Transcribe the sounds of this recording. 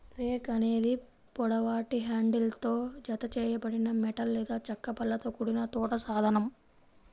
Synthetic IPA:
ɾeːkɐne̞ːd̪i | pɔɽɐʋaːʈiɦaːɳɖilt̪oːd͡ʒɐt̪ɐt͡ʃɛːjɐbɐɽinɐmɛʈɐlːɛːd̪aːt͡ʃɐkːɐpɐlːɐt̪oːkuɽinɐt̪ɔːʈɐsaːd̪ʱɐnɐm

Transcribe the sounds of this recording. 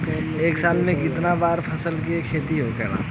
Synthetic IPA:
eːksaːlmẽkɪt̪nabaːɾpʰɐsəlkekʰeːt̪iɦokɛ̰ːɽa̰ː

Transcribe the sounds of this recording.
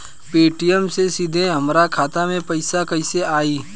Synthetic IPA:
peːʈijəmsesid̪ʱẽɦɐmɾakʰaːt̪amẽpɐɪsakɐɪseaːiː

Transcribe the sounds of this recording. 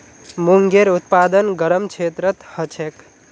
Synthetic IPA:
muŋɡeɾut̪pad̪ənɡəɾəmt͡ʃʰet̪ɾət̪hət͡ʃʰek

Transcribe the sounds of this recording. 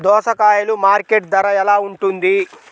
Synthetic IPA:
d̪ɔːʃɐkaːjɐlumaːɾkeʈ̚d̪ɐɾɐɛlaːuɳʈund̪i

